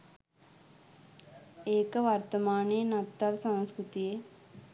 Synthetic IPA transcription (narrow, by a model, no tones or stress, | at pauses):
eːkɐʋɐɾt̪ɐmaːneːnɐt̪ːɐlsɐ̃nskɾut̪ijeː